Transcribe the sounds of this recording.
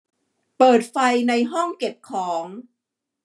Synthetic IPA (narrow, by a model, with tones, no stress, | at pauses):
pɤː˨˩t̪̚fa˧jna˧jɦɔ˥˩ŋke˨˩p̚kʰɔː˩˦ŋ